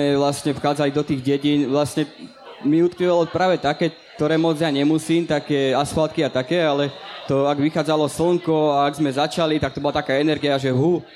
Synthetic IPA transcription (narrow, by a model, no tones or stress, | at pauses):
ɛʋlasɲɛfxaːd͡zalid̪ɔt̪iːɣɟɛɟinʋlasɲɛ | miut̪kiʋalɔpɾaːʋɛt̪akɛːkt̪ɔɾɛːmɔd͡zjaɲɛmusiːmt̪akɛːasfalt̪̚kiat̪akɛːalɛt̪ɔaɡʋixaːd͡zalɔsl̩ŋkɔaːɡzmɛzat͡ʃalit̪akt̪ɔbɔlat̪akaːɛnɛɾɡiaʒɛɦu